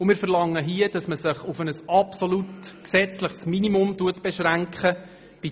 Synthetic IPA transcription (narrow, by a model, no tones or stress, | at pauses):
ʊmɪːɾfəɾlɑŋːəɦiəd̥ɑsməsɪχʊfənəsɑpsolutksɛt͡sləχsminimʊmtuətb̥ɛʃɾæŋkχə | b̥i